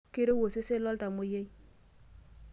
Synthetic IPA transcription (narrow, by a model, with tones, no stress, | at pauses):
ke˦ɾo˦wo˨se˦se˦lɔ˦lta˨mo˦je˦j